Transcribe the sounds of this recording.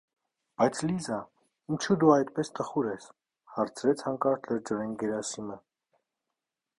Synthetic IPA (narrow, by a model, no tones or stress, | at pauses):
b̥ɑjt͡sʰlizɑ | int͡ʃʰud̪uɑjt̪pɛst̪ʰəχuɾɛs | hɑɾt͡sʰɾɛt͡sʰhɑŋkɑɾʰləɾd͡ʒɔɾɛnɡɛɾɑsimə